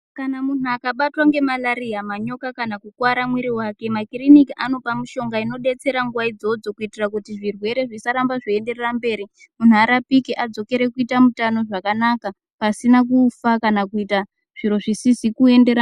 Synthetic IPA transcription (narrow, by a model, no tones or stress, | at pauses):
kanamunuakaɓatwaŋɡe̞malaɾiɦamaɲo̞kakanakukwaɾamwiɾiwake̞makirinikiʔano̞pamuʃo̞ŋɡaino̞ɗe̞t͡se̞ɾaŋɡuwaid͡zo̞d͡zo̞kuitirakutiʐirwe̞ɾe̞ʐisaɾambaʐoende̞rerambe̞ːɾi | mun̤uaɾapikiʔad͡zo̞ke̞ɾe̞kuitamutano̞ʐakanaka | pasinak̬ufakanakuita | ʐ̥iɾo̞ʐisisikue̞nde̞ɾa